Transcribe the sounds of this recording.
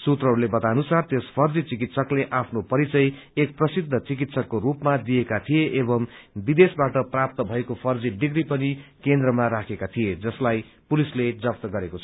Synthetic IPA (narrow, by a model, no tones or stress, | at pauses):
sut̪rʌɦɾulebʌt̪anusart̪espʰʌrd͡zit͡sikit̪sʌkleʔapʰnopʌɾit͡sʌj | ek̚prʌsid̪ʱːʌt͡sik̬it̪sʌkːoɾupmad̪ijekat̪ʰijeʔebʌmbid̪esbaʈʌprap̚t̪ʌbʱʌekopʰʌrd͡ziɖiɡɾipʌnikend̪ɾʌmaɾakʰekat̪ʰijed͡zʌslajpulisled͡zʌp̚t̪ʌɡʌɾekot͡sʰʌ